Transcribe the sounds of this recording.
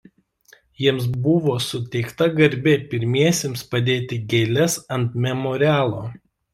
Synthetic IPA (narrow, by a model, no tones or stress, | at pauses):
jiɛms̬bʊʋoːsʊt̪ʲɛɪkt̪ɐɡɐɾʲbʲepʲɪɾʲmʲiɛsʲeːmspɐd̪ʲeːt̪ʲɪɡʲɛlʲɛsɐnt̪mʲɛmɔːɾʲɪæːlˠoː